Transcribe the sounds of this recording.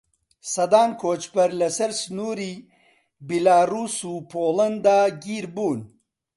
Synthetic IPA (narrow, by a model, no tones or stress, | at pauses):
sɐd̪aːnkʰoːt͡ʃpɐɾlɐsɐɾsnuːɾiː | bilaːruːsuːpʰoːlɐnd̪aːɡiːɾbuːn